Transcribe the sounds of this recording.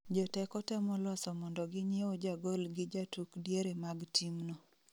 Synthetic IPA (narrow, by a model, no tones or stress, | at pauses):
d͡ʒɔtɛkɔtɛmɔlɔsɔmɔndɔɡɪɲjewod͡ʒaɡolɡɪd͡ʒatukdjeɾemaɡtʰimno